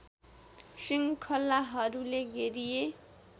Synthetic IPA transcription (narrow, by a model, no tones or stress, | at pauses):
siŋkʰʌlːaɦʌɾuleɡeɾije